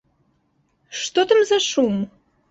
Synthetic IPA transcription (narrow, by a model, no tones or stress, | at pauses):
ʃt̪ot̪ə̆mzɑʃum